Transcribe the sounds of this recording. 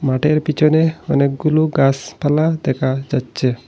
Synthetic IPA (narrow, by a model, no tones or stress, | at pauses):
maʈeɾpit͡ʃʰɔneɔnek̚ɡuluɡaspʰalad̪ɛkʰad͡ʒatːt͡ʃʰe